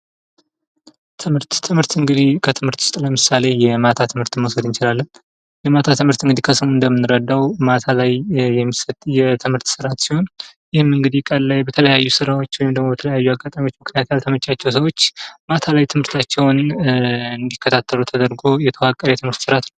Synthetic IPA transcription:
t̪ʰɨmhɨɾt̪ʰːɨmɨɾt̪ɨŋɡɨd̪ihkʰət̪ʰɨmhɨɾt̪wʊst̪ʼləmɨsale̞jɛmat̪ʰat̪ʰɨmhɨɾt̪ɨnmosəd̪ɨnt͡ʃɪlalːən | jɛmat̪ʰat̪ʰɨmhɨɾt̪ɨŋɡɨd̪ikʰəsəmuɨnd̪əmːɨnːɨɾəd̪ːawmat̪ʰalajːɛmːisət̪jɛt̪ʰɨmhɨɾt̪sɨɾat̪siho̞njɪhɨmɨŋɡɨd̪ikʼəlːajbət̪ʰələjajːusɨɾawo̞t͡ʃːwɔjɪmd̪əɡmoət̪ʰələjajːuaɡːat̪ʼamijwot͡ʃːmɨknijat̪jalt̪ʰəmət͡ʃʼat͡ʃːɛwsəwo̞t͡ʃːmat̪ʰalajt̪ʰɨmhɨɾt̪ʰat͡ʃːɛwn | ɨnd̪ikːət̪ʰat̪ʰːəlut̪ʰəd̪əɾɡo̞jɛt̪ʰəwakʼːəɾjɛt̪ʰɨmhɨɾt̪sɨɾat̪nəw

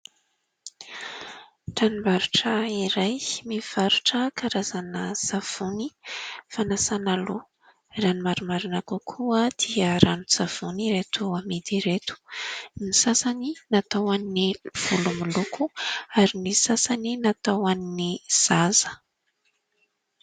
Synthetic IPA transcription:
ʈ͡ʂanimbaɾuʈ͡ʂəiɾajmiv̥aɾuʈ͡ʂəkaɾazanəsav̥unifanasanalo | ranimaɾumaɾinakukʰuəd̪̥iəɾanusav̥uniɾet̪uamid̪iɾet̪u̥nisasaninat̪awanniv̥ulumulukʰuaɾinisasaninat̪awaniniz̥azə̥

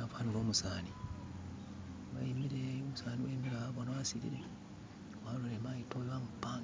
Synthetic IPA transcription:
afaniɾoːmusaːni | wa̰imiɾemusaːniwa̰imiɾaaβonawasiɾḭɾe | walolemaitojeβamupa

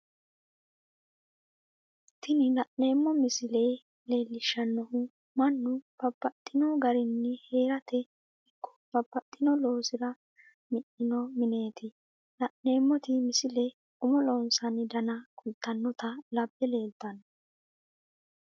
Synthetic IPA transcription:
t̪ɪnɪlɐʔne̞ːmːɔmɪsɪlej | le̞ːlːɪʃɐnːɔhʊ | mɐnːʊpɐbːɐt̪ʼːɪnɔɡɐɾɪnːɪhe̞ːɾɐt̪ʰɛ | ɪkːɔ̥pɐbːɐt̪ʼːɪnɔlo̞ːsɪɾɐ | mɪʔɪnɔmɪne̞ːt̪ʰɪ | lɐʔne̞ːmːɔt̪ɪmɪsɪlɛ | ʊmɔlɔːnsɐnɪd̪ɐnɐkʰʊlt̪ːɐnːɔt̪ɐlɐbːɛle̞ːlt̪ːɐnɔ

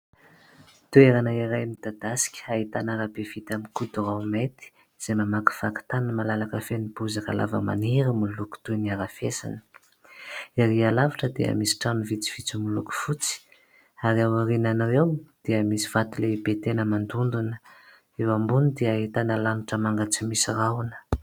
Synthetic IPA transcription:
t̪ueɾanaiɾajmid̪ad̪asi̥kʲə̥aɦit̪anaɾabefit̪amikud̪uramet̪i̥ | z̥ejmamaki̥faki̥t̪anəmalalakəfenibuzaka̰la̰və̰ma̰niɾəmuluku̥t̪uniaɾafesa̰nə̥ | aɾialavaʈ͡ʂəd̪ḛə̰misi̥ʈ͡ʂanivit͡si̥v̥it͡simuluku̥fut͡si̥ | aɾiawaɾinanawewd̪̥eəmisi̥v̥at̪uleibet̪enəmand̪und̪unə | ewambunid̪eaɦit̪anəlanuʈ͡ʂəmaŋɡat͡simisiraunə̥

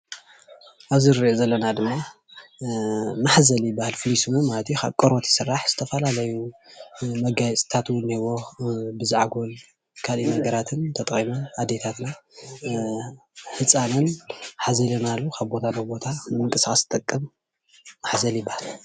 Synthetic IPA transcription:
ʔaβzɨɾiʔozɐlːɐnad̪ɨmːa | maħzɐljɪbːahalfɨlisumɨmalɐt̪ikʰa̰βkʼoɾot̪ɪ̥sɨrːaħz̥ɨt̪ʰɐfɐlalɐju | mɐɡajt͡sʼt̪ʰat̪wʊnːewo̞bɨzɨʕaɡol | kʰalinɐɡɐɾat̪ʰɨnt̪ʰɐt̪ʼχʼimɐnad̪et̪ʰat̪na | hɨt͡sʼanɐnħazɐlɐnalːukʰaβbo̞t̪ʰabɐbo̞t̪ʰanɨmɨŋkʼɨsxʼɐst̪ʼɐkʼːɐmː | aħzɐljɪbːahal

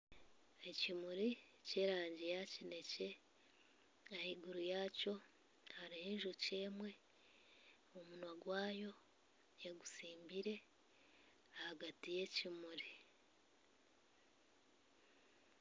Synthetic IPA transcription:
e̞cimuɾice̞ːɾaːɲɟijacine̞ce̞ | ahiɡuɾujaːco̞ | haɾiheːɲʒuɾuce̞ːmwe̞ | omunwaɡwaːjo̞ | jeɡusiːmbiɾe̞ | ahaɡatije̞cimuɾi

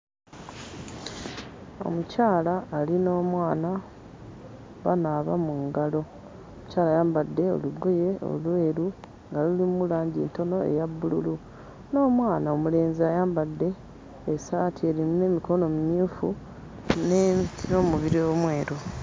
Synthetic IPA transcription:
o̰mucaːlaːlino̞ːmwaːna | βa̰naβa̰muŋɡalo̞ | omucaːlaːjaːmbadːe̞o̰luɡoje̞o̞̰lwe̞ːɾu | ŋɡalulimulaːɲɟinto̞no̞e̞̰jabːululu | no̞ːmwaːnao̞mule̞ːnziajaːmbadːe̞ː | saːtʰie̞ːɾimune̞ːmiko̞no̞mumjuːfu | nmino̞muβiɾio̞mwe̞ːɾo

